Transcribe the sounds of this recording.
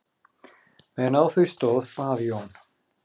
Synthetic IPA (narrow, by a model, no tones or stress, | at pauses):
mɛnawθust̪ɔːðpaːðjɔn